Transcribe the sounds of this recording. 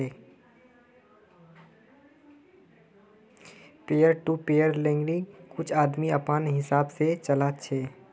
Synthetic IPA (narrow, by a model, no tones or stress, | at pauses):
e | peːjəɾʈupeːjəɾlẽːŋɡɾikʊt͡ʃʰaːd̪miəpanɦɪsaːbset͡ʃəlaːt͡ʃʰeː